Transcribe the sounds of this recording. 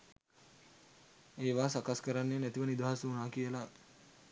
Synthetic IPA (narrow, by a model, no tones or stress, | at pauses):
eːʋaːsakaskəɾanːeːnæt̪iʋənid̪aːasəunaːkijəla